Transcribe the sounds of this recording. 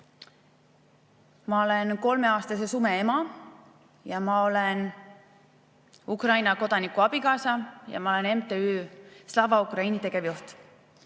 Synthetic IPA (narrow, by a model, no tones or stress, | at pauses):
mɑo̞lenko̞lme̞ɑːst̪ɑse̞sume̞emɑ | jɑmɑo̞len | ukrɑjnɑko̞d̪̥ɑnikːˑuɑb̥ikɑːsɑjɑ̰mɑole̞ne̞mt̪eyːslɑvɑukrɑinit̪e̞ɡ̥e̞vjuht̪